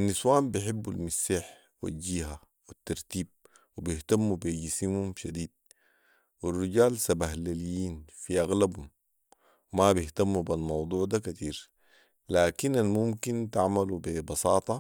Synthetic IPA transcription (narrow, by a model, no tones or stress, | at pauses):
ʔanːiswaːmbɪħibːalmisːiːħ | wa̰ɟiːɦa | wit̪ːɑɾˤt̪iːb̚ | wibiht̪amːubiɟisimhumʃad̪iːd̪̚ | wirːiɟaːlsabaɦlalijiːnfiʔaɣlabhum | wmabiht̪amːubalmɑwd̪ˤuːʕd̪akat̪iːɾ | laːkinalmumkint̪aʕmalubibɑsɑːt̪ˤɑ